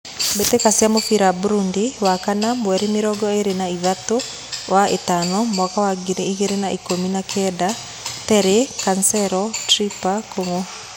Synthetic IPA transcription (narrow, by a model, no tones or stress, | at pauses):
betekasjamofiɾabuɾundiwakanamwɛɾimiɾɔɡɔeɾenaiðato | waetanɔmwakawaɡiɾeiɣeɾenaʔikominakʰɛda | tɛɾekansɛɾɔtɾipakoŋo